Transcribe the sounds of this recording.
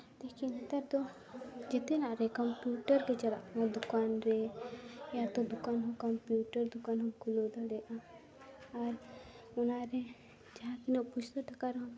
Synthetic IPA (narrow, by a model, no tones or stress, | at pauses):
t̪ekint̪ɐɾt̪o | d͡ʒet̪enaːɾekɐmpjuːʈəɾket͡ʃɐla̰ãd̪ʊkaːnɾe | jat̪od̪ʊkaːnɦokɐmpjuːʈəɾd̪ʊkaːnɦõkʰʊlod̪aɾeʔã | aɾ | ʊnaːɾe | d͡ʒɐɦãkineput͡ʃʰt̪oʈʰɐkaɾɦõ